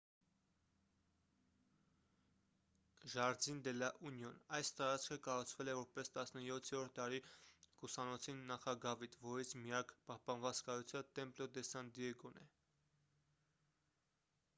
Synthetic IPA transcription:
ʒɑɾd͡zind̪ɛlɑʔunjɔnɑjst̪ɑɾɑt͡skʰəkɑrut͡sʰvɛlɛvɔɾpɛst̪ɑsnəjɔt̪ʰɛɾɔɾt̪̚d̪ɑɾikusɑnɔt͡sʰinːɑχɑɡɑvit̪vɔɾit͡sʰmijɑkpɑhpɑnvɑt͡skɑɾut͡sʰjɑnt̪ɛmplɔd̪ɛsɑnd̪iɛɡɔnɛ

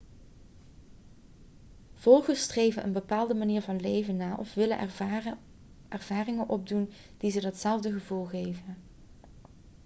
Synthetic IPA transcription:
v̥ɔlˠχəstrejvənʔə̰nbəpaːlˠdəmaniːɹvɑnlejvənːaːʔɔfʋɪlə | ɛɹvaːrɪŋənʔɔb̚dun | d̥izədɑtsɛlˠvdəχəvulˠχejvən

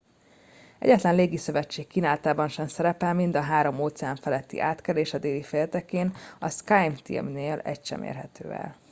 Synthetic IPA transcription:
ɛ̰ɟɛt̪lɛnleːɡisø̞vɛt͡ʃːeːkːiːnaːlt̪aːbɒnʃɛmsɛɾɛpɛlmind̪ɒɦaːɾo̞moːt̪sɛaɱfɛlɛt̪ːḭʔaːt̪kɛleːʃɒd̪eːlifeːlt̪ɛkeːnɒskajmt̪ḭmneːlɛ̰cʃɛ̰mʔḛːrɦɛt̪ø̰ːvɛ̰l

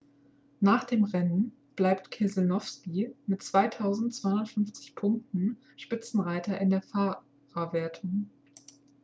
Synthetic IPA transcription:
naːχd̥eːmʁɛnən | b̥laɪptkʰɛznɔfskimɪtt͡sv̥aɪtʰaʊzn̩tt͡sv̥aɪʊntfʏnft͡sɪ̥çpʰʊŋk̚tn̩ | ʃpɪt͡sn̩ʁaɪtʰɐʔɪndeːɐfa | ʁaveːɐtʰʊŋ

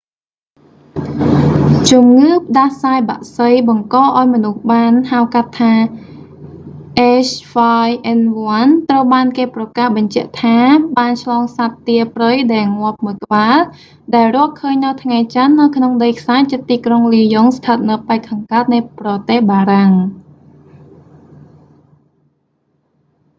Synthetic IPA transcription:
t͡ɕumŋɨːpə̆ɗahsaːjɓa̰ʔsəjɓɑŋkɑːʔaɔjmɔnuhɓaːnhawkat̪ʰːaː | ʔeːsfajʔɛnʋoant̪rəwɓaːnkeːprɑkahɓɑɲt͡ɕɛ̆əʔt̪ʰaːɓaːnt͡ɕʰlɑːŋsat̪ːiəprəjɗaɛlŋŏəp̚mɨkə̆ɓaːl | ɗaɛlrʊ̆əkʰəːɲnɨwt̪ʰŋajt͡ɕanːɨwkʰnoŋɗəjkʰsaːt͡ɕiət̪ːiːkroŋliːjoŋst̪ʰət̪̚nɨwpaɛkʰsaŋkaət̪̚nɨjprɑt̪ehɓaːɾaŋ

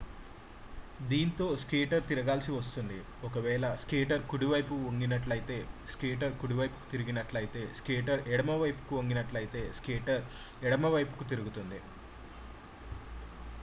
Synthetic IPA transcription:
d̪iːnt̪o̞ːskeːʈɐɾt̪iɾɐɡaːlsiʋɐst̪und̪i | ɔkɐʋɛːlɐskeːʈɐɾkuɽiʋɐjpuoŋɡinɐʈlɐjit̪e̞ːskeːʈ̬ɐɾkuɽiʋɐjpu̥ku̥t̪iɾiɡinɐʈlɐjit̪e̞ːskeːʈɐɾɛɽɐmɐʋɐjpu̥kuoŋɡinɐʈlɐjit̪e̞ːskeːʈɐɾ | ɛɽɐmɐʋɐjpu̥kut̪iɾuɡut̪und̪i

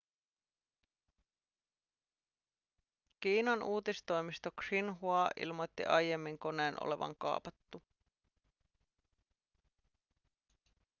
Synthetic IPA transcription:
kiːnɑnuːt̪ist̪o̞jmist̪okrinɦuɑʔḭlmo̞jt̪ːḭʔɑjje̞mːiŋko̞neːnʔo̰le̞̰ʋɑ̰ŋkɑ̰ːpɑt̪ːu

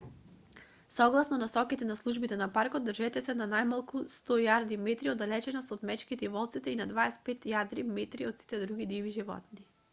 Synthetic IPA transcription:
sɔɡlˠasnɔnasɔkit̪ɛnaslˠuʒbit̪ɛnapaɾkod̪ːrʒɛt̪ɛsɛnanajmalˠkust̪ɔjaɾd̪imɛt̪ɾiod̪alɛt͡ʃɛnasɔt̪mɛt͡ʃkit̪ɛivɔlˠt̪sit̪ɛinad̪vaɛspɛt̪jad̪ɾimɛt̪ɾiɔt̪si̥t̪ɛd̪ɾuɡid̪iviʒivɔ̰t̪̚ni

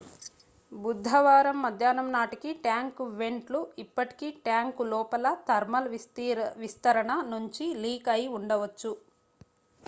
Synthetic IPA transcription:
bud̪ʱːɐʋaːɾɐmːɐd̪ʱjaːnɐmnaːʈikiʈjaːŋkʋe̞ɳʈluipːɐʈi̥kiʈjaːŋkulɔːpɐlɐt̪ɐɾmɐl | ʋist̪ɐɾɐɳɐnuɲt͡ʃiliːkɐjiuɳɖɐʋɐt͡ʃːu

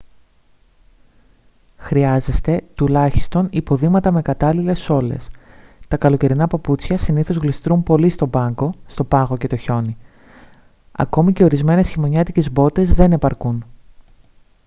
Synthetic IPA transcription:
xɾiɐze̞st̪e̞t̪ulɐçi̥st̪o̞nipo̞ðiɣmɐt̪ɐme̞kɐt̪ɐlile̞so̞le̞̰st̪ɐkɐlo̞ce̞ɾinɐpɐput͡sçɐsiniθo̞zɣlist̪ɾumpo̞list̪o̞bɐŋɡo̞st̪o̞pɐɣo̞ce̞t̪o̞ço̞ni | ɐ̰ko̞mice̞o̞ɾizme̞ne̞sçimo̞ɲɐt̪ice̞zbo̞t̪e̞zðe̞ne̞pɐɾkun

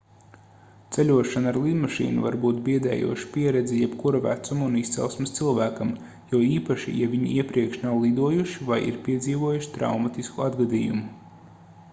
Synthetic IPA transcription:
t̪sɛlʲuɔʃanaɾlˠid̪maʃḭːnṵva̰ɾbuːt̪̚biɛd̪ɛ̰ːjṵɔʃi̥piɛɾɛd̪zʲijɛbkuɾvæ̰t̪sumunist̪sɛ̰lˠsmɪst̪silˠvæːkɐm | juiːpaʃḭjavʲiɲḭiɛpɾiɛkʃnawlˠid̪uɔjuʃivajḭɾpiɛd̪ziːvuɔjuʃi̥t̪ɾa̰wmat̪iskuad̪ɡad̪iːjṵmʊ

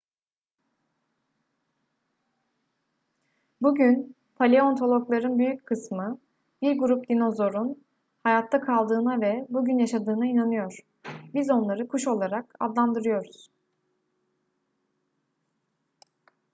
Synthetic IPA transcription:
buɟyn | pʰalʲeo̞nt̪ʰo̞lˠoklˠaɾɯnbyjyckʰɯsmɯ | biɾɡuɾup̚d̪ino̞zo̞ɾun | hajat̪ʰːakʰalˠd̪ɯːnavɛbuɟynjaʃad̪ɯːnainanɯjo̞ɾ̥ | bizo̞nlˠaɾɯkʰuʃo̞lˠaɾaka̰d̪lˠand̪ɯɾɯjo̞ɾuz̥

